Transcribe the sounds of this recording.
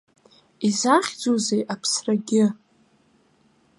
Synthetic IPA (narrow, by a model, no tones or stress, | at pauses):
izaχʲd͡zozejʔapʰsraɡʲɪ